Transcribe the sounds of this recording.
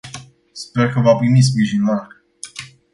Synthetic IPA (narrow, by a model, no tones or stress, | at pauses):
spe̞rkəvapɾimis̬pɾiʒinlak